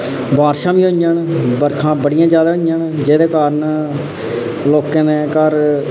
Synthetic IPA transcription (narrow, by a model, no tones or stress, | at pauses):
baːɾʃãːʋĩːɦõjaːnbəɾkʰãːbəɽɪjãːd͡ʒjaːd̪aːɦoaːnd͡ʒeːd̪eːkaːɾən | loːkẽːneːkəɾ